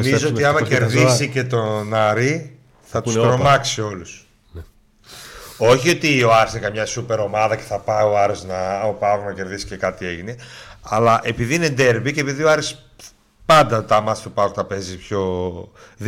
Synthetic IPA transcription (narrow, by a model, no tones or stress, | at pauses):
mizoot̪iɐmɐceɾðisice̞t̪o̞nɐɾi | θɐt̪ust̪ɾɾomɐksio̞lus | o̞çio̞t̪io̞ɐɾesnekɐmɲɐsupe̞ɾo̞mɐðɐce̞̥θɐpɐoɐɾesnɐopɐonɐce̞ɾðisi̥ce̞kɐt̪ie̞ʝineɐlɐʔe̞piðiine̞d̪e̞ɾbicepiðioɐɾis | pɐnd̪ɐt̪ɐmɐst̪upɐkt̪ɐpe̞zispço̞ | ð